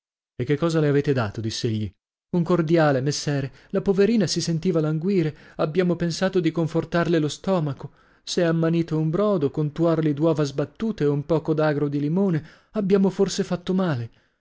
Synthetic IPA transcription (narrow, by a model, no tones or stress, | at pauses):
ekːekːɔːzaleaveːt̪ed̪aːt̪od̪isːeeʎːi | uŋkord̪jaːlemesːɛːɾe | lapoveɾiːnasisent̪iːvalaŋɡwiːɾeabːjaːmopensaːt̪od̪ikoɱfort̪arlelost̪ɔːmako | seamːaniːt̪oumbɾɔːd̪okont̪warlid̪wɔːvazbat̪ːuːt̪eumpɔːkod̪aːɡɾod̪ilimoːne | abːjaːmoforsefat̪ːomaːle